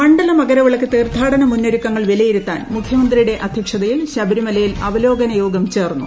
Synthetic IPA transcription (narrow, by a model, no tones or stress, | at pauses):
pɐɳɖɐlɐmɐɡɐɾɐʋiɭɐkːɨt̪eːrt̪ʰaːɽɐnɐmunːoɾikːɐŋːɐɭʋilɐjiɾut̪ːaːnmukʰjɐmɐnd̪rijuɽe̞ʔʔɐd̪ʱjɐkʂɐðɐjilɕɐbɐɾimɐlɐjilɐʋɐlo̞ːɡɐnɐjo̞ːɡɐmt͡ɕe̞ːrnːṵ